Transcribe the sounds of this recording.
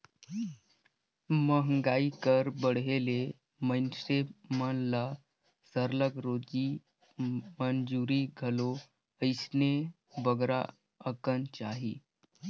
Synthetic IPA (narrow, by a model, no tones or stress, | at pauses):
məɦəŋɡaikəɾbəɽɦele | məjnsemənla | səɾləɡɾod͡ʑi | mənd͡ʒuɾiɡʱəlo | əjsne | bəɡɾa̰ | əkənt͡ɕaɦḭː